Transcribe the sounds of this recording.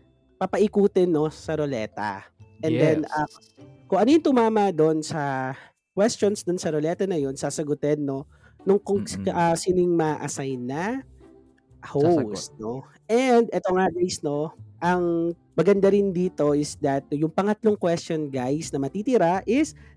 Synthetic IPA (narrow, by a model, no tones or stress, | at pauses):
pɐpɐʔɪkuːt̪ɛnːo̞sɐɾolɛ̰ːt̪ɐ̰ʔɛnd̪ɛnɐ | kʊŋʔɐnojʊnt̪ʊmaːmɐd̪o̞nsɐ | kwɛst͡ʃonsd̪ʊnsɐɾolɛt̪ɐnɐjo̞nsasɐɡʊt̪ɛdnːo̞ | nʊŋkoŋʔɐsinɪŋmaʔɐsajnːɐ | howsno | ʔɛnd̪ʔɛt̪oŋaɡajsno̞ʔɐŋ | mɐɡɐnd̪aɾɪnd̪iːt̪o̞ʔɪsd̪ɐt̪̚jʊŋpɐŋɐt̪lo̞ŋkwɛstonɡajsnɐmɐt̪it̪ɪɾaʔɪs